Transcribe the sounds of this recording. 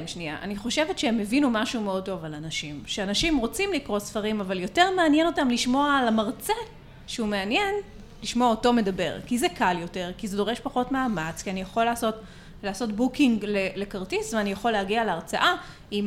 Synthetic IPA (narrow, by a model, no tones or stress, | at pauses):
mʃnia̰ʔa̰niχo̞ʃevetʃeemːevinumaʃumeo̞d̚to̞valanaʃimʃeanaʃimʁo̞t͡simlikʁo̞sfaʁimavaljo̞te̞ʁmeanjeno̞tamliʃmo̞aːlamaʁt͡se | ʃeume̞anjen | liʃmoaoto̞me̞dabe̞̰ʁkizekaljo̞te̞ʁkizedo̞ʁeʃpaχo̞tmaːmat͡skianijaχo̞laːso̞t | laːso̞tbukiŋɡlele̞kaʁtisveanijaχo̞lːeaɡialeaʁt͡sa̰ʔa | im